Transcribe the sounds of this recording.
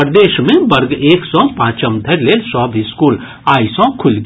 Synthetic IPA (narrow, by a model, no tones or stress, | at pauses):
əɾd̪eːʃmẽbəɾɡeːksɔ̃pãːt͡ʃəmd̪ʱeɾlelsɔɦbʱiskul | aːisɔ̃kʰulɡ